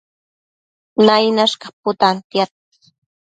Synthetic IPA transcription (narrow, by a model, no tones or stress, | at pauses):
najnaʃkapʊt̪ant̪jat̪̚